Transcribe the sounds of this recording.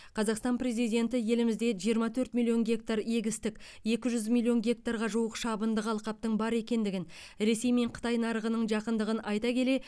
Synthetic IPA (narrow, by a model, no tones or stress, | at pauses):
qʰɑzɑqst̪ɑnpre̞zijd̪ʲe̞nt̪ɪje̞lɪmɪzd̪e̞ʒijəɾmɑt̪ʰɵɾt̪mʲilʲˠːio̞nɡʲe̞k̚t̪aɾe̞ɡʲɪst̪ɪkʲ | je̞kʲɪʒʏzmilʲˠːio̞nɡʲe̞k̚t̪aɾʁɑʒuwəqʃɑbənd̪əqɑlˠqɑp̚t̪əɴbɑɾe̞kʲe̞nd̪ɪɡʲɪn | ɾe̞se̞jme̞ɴqʰə̥t̪ɑjnɑɾəʁənəɴʒɑqənd̪əʁənʔɑjt̪ɑkʲʰe̞le̞